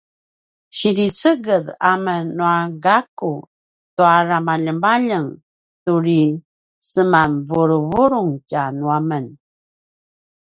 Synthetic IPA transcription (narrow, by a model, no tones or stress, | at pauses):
t͡ɕiɾit͡səɡəðamənuaɡaku | toaɾamaʎəmbaʎəŋ | tuɾi | səmanvuɾuβuɾuŋcanuamən